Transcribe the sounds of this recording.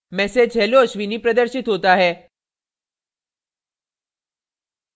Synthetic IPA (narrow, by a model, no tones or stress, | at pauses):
mɛːsed͡ʒɦɛloːʃʋinipɾɐd̪əɾʃɪt̪ɦoːt̪aɦɛː